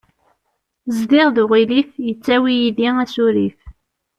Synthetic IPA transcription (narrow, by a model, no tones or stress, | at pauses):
zd̪iʁðuʁilifjət͡sːæwijiðiæsuɾḭf